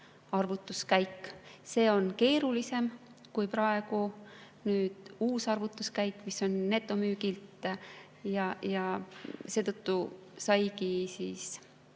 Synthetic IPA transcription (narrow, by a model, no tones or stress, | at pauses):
ɑrvut̪ːˑuskæjkːse̞ːo̞nke̞ːɾulise̞m | kujpɾɑe̞ɡu | nyːd̪̥uːsɑrvut̪ːˑuskæjkːˑmisːo̞nːe̞t̪ːˑo̞myːɡilt̪ˑ | jɑjɑse̞ːt̪ɤt̪ːu | sɑjkisiːs